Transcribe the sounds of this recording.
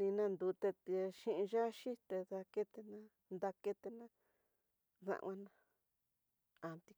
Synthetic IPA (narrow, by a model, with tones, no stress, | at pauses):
nĩ˧nã˧nd̪u˨˧t̪e˧t̪e˧ʃĩ˦˧ʔĩ˧ʒa˦ʃi˦t̪e˧ða˧ke˦t̪e˧nã˦ | nd̪a˧ke˦t̪e˧nã˦ | ðã̰˧ʔwã˧nã˧ | a˨t̪i˧